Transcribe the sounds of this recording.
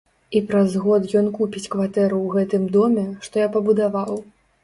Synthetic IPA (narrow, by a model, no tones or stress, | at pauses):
ipɾazɣɔt̪jɔnkupʲit͡sʲkvat̪ɛɾuwɣɛt̪ɨmd̪ɔmʲɛʂt̪ɔjapɐbud̪avaw